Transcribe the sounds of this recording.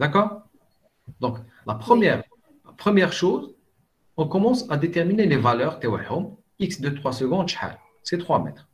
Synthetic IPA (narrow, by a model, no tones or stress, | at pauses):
d̪akɔːʁ | d̪ɔ̃k | lapχəmjɛʁ | lapχəmjɛʁʃoz | ɔ̃kɔmɑ̃sad̪et̪ɛʁminelevalœʁt̪awa̰ħʊm | iksd̪øt̪χwasəɡɔ̃d̪ʃħa̰l | sɛt̪χwamɛ̰t̪χ